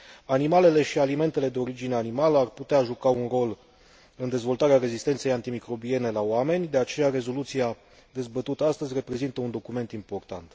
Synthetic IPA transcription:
animale̞le̞ʃialime̞nt̪e̞le̞d̪e̞o̞ɾid͡ʒine̞animaləarput̪eaʒukaunro̞l | ɨnd̪e̞zvo̞lt̪aɾeaɾe̞zist̪et̪se̞jant̪imikɾo̞bie̞ne̞laoame̞nʲd̪e̞at͡ʃe̞jaɾe̞zo̞lut̪sija | d̪e̞zbət̪ut̪əast̪əzʲre̞pɾe̞zint̪əund̪o̞kume̞nt̪impo̞rt̪ant̪

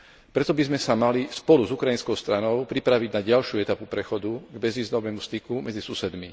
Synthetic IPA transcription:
pɾɛt̪ɔbizmɛsamalispɔluzukɾajinskɔʊst̪ɾanɔʊpɾipɾaʋiɟnaɟalʃjuɛt̪apupɾɛxɔd̪uɡbɛzʋiːzd̪ɔʋɛːmust̪ikumɛd͡zisusɛd̪mi

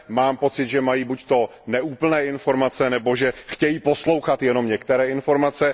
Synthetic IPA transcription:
maːmpo̞t͡sɪd̪ʒɛmajiːbuct̪o̞nɛʔuːpl̩nɛːʔɪnfo̞ɾmat͡sɛnɛbo̞ʒɛxcɛjiːpo̞slo̞wxat̪jɛno̞mɲɛkt̪ɛɾɛːɪnfo̞ɾmat͡sɛ

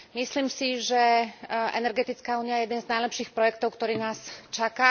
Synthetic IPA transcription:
misliːmsiʒɛʔɛ̰nɛɾɡɛt̪it͡skaːuːnijajɛjɛd̪ɛnznajlɛpʃiːxpɾɔjɛkt̪ɔʊkt̪ɔɾiːnaːst͡ʃakaː

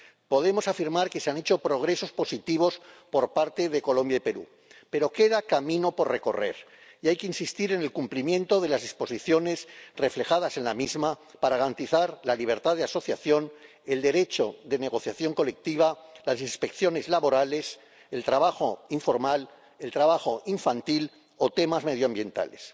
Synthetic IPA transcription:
po̞ð̞e̞mo̞safiɾmaɾke̞seane̞t͡ʃo̞pɾo̞ɣ̞ɾe̞so̞spo̞sit̪iβ̞o̞spo̞ɾpaɾt̪e̞ðe̞ko̞lõ̞mbjaipe̞ɾṵ | pe̞ɾo̞ke̞ðakamĩno̞po̞rre̞ko̞̰re̞̰ɾ | iajkeinsist̪iɾe̞ne̞lkumplimjẽ̞nt̪o̞ðe̞lazðispo̞siθjo̞ne̞sre̞fle̞xaðase̞nlamizmapaɾaɣaɾant̪iθaɾlaliβ̞e̞ɾt̪aðeaso̞θjaθjo̞n | e̞ld̪e̞ɾe̞t͡ʃo̞ðe̞ne̞ɣ̞o̞θjaθjo̞ŋko̞le̞k̚t̪iβ̞alasinspe̞kθjo̞ne̞zlaβo̞ɾale̞s | e̞lt̪ɾaβaxo̞iɱfo̞ɾmal | e̞lt̪ɾaβ̞aχo̞iɱfant̪il | o̞t̪e̞mazme̞ðjoambje̞nt̪a̰le̞s

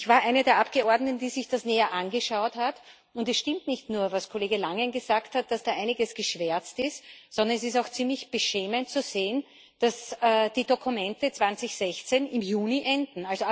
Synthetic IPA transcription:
ɪçvaːɐʔæɪnədeːɐʔapɡ̥əɔɐdnətn̩d̥iːzɪçd̥asneːɐʔanɡəʃaʊthat | ʊndɛsʃtɪmtnɪçtnuːɐvaskʰoleːɡəlaŋənɡəzaːkthat̚d̥asd̥aːʔaɪnɪɡəsɡ̥əʃv̥ɛɐt͡stɪstsɔndɐnɛsɪs̬taʊxt͡simlɪçb̥əʃɛːməntt͡suz̥eːən | d̥asəːd̥iːdokʰumɛntət͡sv̥ant͡sɪçz̥ɛçt͡senɪmjuːniʔɛndn̩alzo

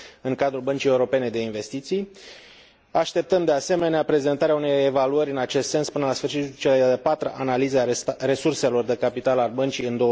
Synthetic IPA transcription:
ɨŋkad̪ɾulbənt͡ʃije̞uɾo̞pe̞ne̞d̪e̞inve̞st̪it̪sij | aʃt̪e̞p̚t̪əmd̪e̞ase̞me̞neapɾe̞ze̞nt̪aɾeaune̞je̞valuəɾʲɨnat͡ʃe̞st̪se̞nspɨnəlasfɨrʃit̪t͡ʃeleeepat̪ɾəʔanalizearesurse̞lo̞rd̪e̞kapit̪alalbənt͡ʃijɨnd̪o̞

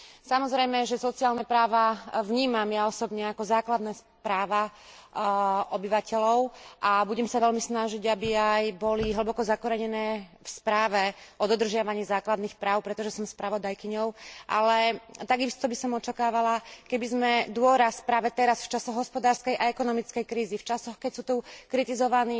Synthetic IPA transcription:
samɔzɾɛjmɛʒɛsɔt͡siaːlnɛpɾaːʋaʋɲiːmamjaɔsɔbɲɛakɔzaːklad̪nɛː | pɾaːʋa | ʔɔbiʋacɛlɔʊʔabuɟɛmsaʋɛlmisnaʒiɟabiajbɔliɦl̩bɔkɔzakɔɾɛɲɛnɛːfspɾaːʋɛʔɔd̪ɔd̪r̩ʒɪaʋaɲiːzaːklad̪nixpɾaːʊpɾɛt̪ɔʒɛsɔmspɾaʋɔd̪ajkiɲɔʊʔa̰lɛt̪aɡist̪ɔbisɔmɔt͡ʃakaːʋalakɛbizmɛd̪ʊɔɾaspɾaːʋɛt̪ɛɾasft͡ʃasɔɣɦɔspɔd̪aːɾskɛjʔaɛkɔnɔmit͡skɛjkɾiːzift͡ʃasɔxkɛcsuːt̪ukɾit̪izɔʋaniː

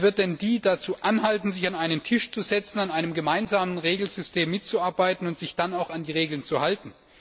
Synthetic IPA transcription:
vɪɐt̚d̥ɛndiːdat͡suːʔanɦaltn̩zɪçanaɪnəntʰɪʃt͡suzɛt͡sn̩anaɪnəmɡəmaɪnzaːmənʁeːɡl̩zʏstʰeːmːɪt̚t͡suaɐbaɪtn̩ʊntz̥ɪçd̥anaʊxandiːʁeːɡl̩nt͡suhaltn̩

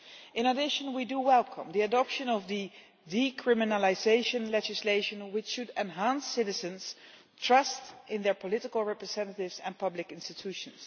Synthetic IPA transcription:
ɪ̃nədɪʃə̃nwidəwɛlˠkʰə̰̃mðiɨdɑpʃɨ̃nʌvðɨ | dikʰɹ̥ɪmɨnəlɪzeɪʃə̃nlɛd͡ʒɨsleɪʃə̃nwɪt͡ʃʃɨdɛ̃nɦæ̃nsɪɾɨzɨ̃nz̥ | tʰɹ̥ʌstɪ̃nðə˞pʰɔlɪɾɪkl̩ˠɹɛpɹɨzɛ̃ntətɪvzɛ̃npʰʌblɪkɪ̃nstɨtʰuʃə̃ns

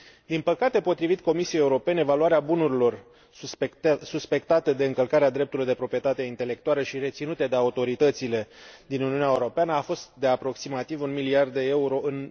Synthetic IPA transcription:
d̪inpəkat̪e̞po̞t̪ɾivit̪ko̞misijejeuɾo̞pe̞ne̞valuaɾeabunuɾilo̞r | suspe̞kt̪at̪e̞d̪e̞ɨŋkəlkaɾead̪ɾe̞p̚t̪uluijd̪epɾo̞pɾie̞t̪at̪eint̪e̞le̞k̚t̪ualəʃiɾe̞t̪sinut̪e̞d̪eaut̪o̞ɾit̪ət̪sile̞d̪inuniuneaeuɾo̞peanəafo̞st̪̚d̪e̞apɾo̞ksimat̪ivunmiliard̪d̪e̞euɾo̞ʔɨn

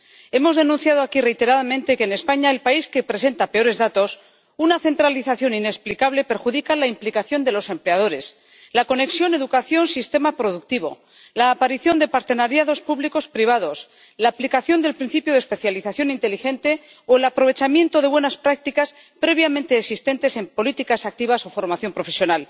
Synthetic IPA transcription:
e̞mo̞zðe̞nũnθjað̞oakire̞jt̪e̞ɾaðamẽnt̪e̞keːne̞spaɲaelpaiske̞pɾe̞s̬e̞nt̪ape̞o̞ɾe̞zðat̪o̞s | unaθe̞nt̪ɾaliθaθjo̞ninesplikaβle̞pe̞ɾxuðikalaimplikaθjo̞nd̪e̞lo̞se̞mpleað̞o̞ɾe̞s | lako̞ne̞ksjo̞ne̞ðukaθjo̞nsist̪e̞mapɾo̞ðuk̚t̪iβ̞o̞̰ | laːpaɾiθjo̞nd̪e̞paɾt̪e̞naɾjaðo̞spuβliko̞spɾiβ̞að̞o̞s | laːplikaθjo̞nd̪e̞lpɾinθipjoðespe̞θjaliθaθjo̞nint̪e̞lixe̞nt̪e̞ | oelapɾo̞β̞e̞t͡ʃamje̞nt̪o̞ðeβwe̞naspɾak̚t̪ikas | pɾe̞β̞jamẽnt̪e̞ːksist̪e̞nt̪e̞se̞mpo̞lit̪ikasak̚t̪iβ̞aso̞fo̞ɾmaθjo̞mpɾo̞fe̞sjo̞nal

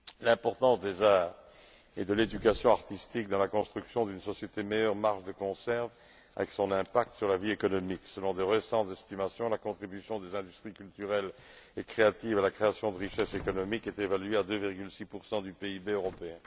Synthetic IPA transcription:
lɛ̃pɔʁt̪ɑ̃sd̪ezaʁ | ed̪əled̪ykasjɔ̃aʁt̪ist̪ik̚d̪ɑ̃lakɔ̃st̪χyksjɔ̃d̪ynsɔsjet̪emejœʁmaʁʃd̪əkɔ̃sɛʁv | a̰vɛksɔ̃nɛ̃pak̚t̪syʁlaviekɔnɔmiksəlɔ̃d̪eʁəsɑ̃t̪zɛst̪imasjɔ̃lakɔ̃t̪χibysjɔ̃d̪ezɛ̃d̪yst̪χikʲylt̪yʁɛlɛkχeat̪ivalakχeasjɔ̃d̪əʁiʃɛsekɔnɔmikɛt̪evalɥead̪øviʁɡylsipuʁsɑ̃d̪ypeibeøʁɔpeɛ̃

